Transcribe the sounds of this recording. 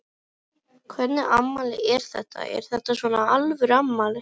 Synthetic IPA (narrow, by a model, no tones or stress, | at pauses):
kʰvɛt̪nɪʔamːalɪɛɾ̥θɛht̪ːa̰ɛ̰ɾ̥θɛht̪ːasvɔːnaalvʏɾamːalɪ